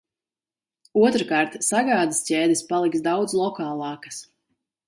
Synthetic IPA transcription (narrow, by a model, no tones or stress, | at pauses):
uɔt̪ɾkaːɾt̪saɡaːd̪iscʲɛːd̪ispalˠiksd̪awd̪zlˠɔkaːlˠɑːkḁs